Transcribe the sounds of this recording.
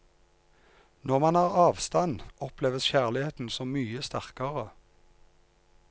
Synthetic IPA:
nɔʁmɑnɑːʁɑːʋst̪ɑnɔpleːʋəsçæːʁlɪheːt̪n̩sɔmmyːəst̪æʁkɑʁə

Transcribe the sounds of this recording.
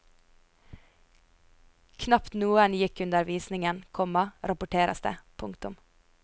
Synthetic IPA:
kʰnɑpt̪nuːənjɪkʉnd̪əɾʋiːsnɪŋənkʰɔmɑɾɑpʊʈʰeːɾʔɑ̰st̪ə̰pʰʊŋkt̪ʊm

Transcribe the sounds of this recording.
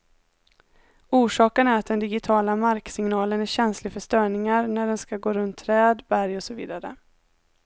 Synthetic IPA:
uːʂɑːkənæɾat̪̚d̪ɛnd̪ɪɡɪt̪ʰɑːlamaɾksɪŋnɑːlənæɕɛnslɪfœʂt̪œːɳɪŋaɾnæɖɛnskaɡoːɾɵnt̪ʰːɾɛːd̪bæɾjɔsɔvḭːd̪aɾə̰

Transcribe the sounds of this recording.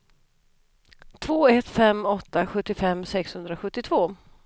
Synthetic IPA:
t̪ʰvoːɛt̪ːfɛmɔt̪ːaɧɵt̪ːɪfɛmːsɛkshɵnd̪ɾaɧɵt̪ːɪt̪ʰvoː

